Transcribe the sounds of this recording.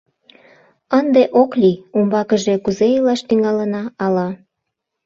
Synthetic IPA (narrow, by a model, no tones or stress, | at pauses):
ənd̪eʔoklʲiumbɑkəʒe̽kuzeilɑʃt̪yŋɑlənɑːlɑ